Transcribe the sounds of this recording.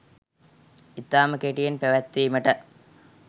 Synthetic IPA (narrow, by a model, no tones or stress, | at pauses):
it̪ːaːmɐkeʈijɐnpeʋɐt̪ːimɐʈɐ